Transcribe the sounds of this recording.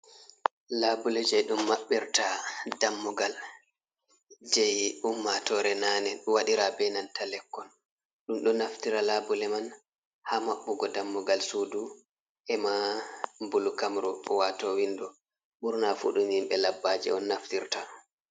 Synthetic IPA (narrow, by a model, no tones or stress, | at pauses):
labulɛd͡ʒɛjɗumːaɓːiɾtadamːuɡal | d͡ʒɛjumːatɔɾɛnaːnɛɗwaɗiɾabɛnantalɛkːɔn | ɗumɗɔnaftiɾalabulɛman | haːmaɓːuɡɔdamːɔɡalsudu | ʔɛmambulukamɾɔwatɔwindɔ | ɓuɾnafṵɗumhimɓɛlabːad͡ʒɛ̰ɔnːaftiɾta